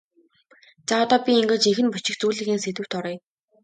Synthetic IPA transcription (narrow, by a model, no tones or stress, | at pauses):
t͡saːɔt̪ɔːpʲiiŋɡeːt͡ɕixɘ̆npʊt͡ɕɪ̆xt͡suːɮɘ̆ːxiːnset̪ɘ̆w̥t̪ʰɔɾœːj